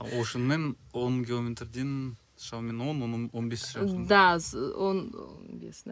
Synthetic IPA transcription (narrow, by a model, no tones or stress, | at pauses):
woʃənmen | wonkʲilˠomʲet̪rd̪en | ʃɑwmenwonwonbesʒd̪asono̰bḛsn